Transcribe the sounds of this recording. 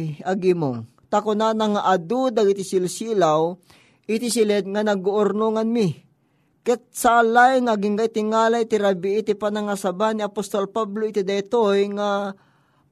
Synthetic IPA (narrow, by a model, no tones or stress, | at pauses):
aɡimoŋ | t̪akonanaŋaʔad̪ud̪aɡit̪ɪsɪlsilaw | ʔit̪isɪlɛd̪̚ŋanɐɡʊʔʊɾnuŋanmi | kɛt̪̚saʔalajŋaɡɪŋɡajt̪ɪŋaːlajt̪ɪɾabiʔit̪ɪpanaŋasabaniapost̪olpabloit̪id̪ajt̪ojŋa